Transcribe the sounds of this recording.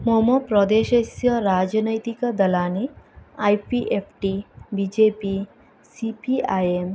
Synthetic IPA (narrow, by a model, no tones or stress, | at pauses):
momɔpɾɔd̪eʃesjəɾad͡ʒnəjt̪ikəd̪ɐlaniajpiʔepʰʈibid͡ʒepi | sipiajem